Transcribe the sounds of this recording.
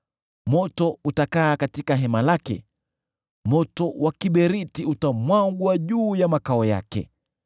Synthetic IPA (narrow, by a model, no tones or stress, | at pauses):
mɔtɔutakaːkatikaɦɛmalakɛ̰ | mɔtɔwʔakiɓɛɾitiutamwaŋɡwaʄuːjamakaɔja̰kɛ̰